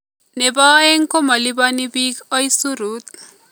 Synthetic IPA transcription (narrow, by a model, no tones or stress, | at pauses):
nebaːeŋkomɐlibanibikɔjsuɾut̪̚